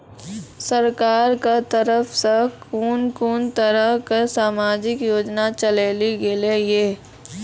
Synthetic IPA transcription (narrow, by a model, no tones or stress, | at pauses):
səɾkaːɾkat̪əɾəfʰsekuːnkuːnt̪əɾəɦkasaːmaːd͡ʒɪkjoːd͡ʒnat͡ʃəleːliɡelejeː